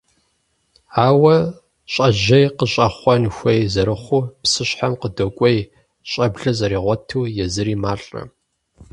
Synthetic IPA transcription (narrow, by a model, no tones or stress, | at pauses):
aːwɐ | ɕʼɐʒɐjqəɕʼɐχʷɔnxʷejzɐɾɨχʷʊpsɨɕħamqədokʷʼej | ɕʼɐbɮɐzɐɾiːʁʷɔtʰuːjɛzɨɾiːmaːɬʼrɐ̰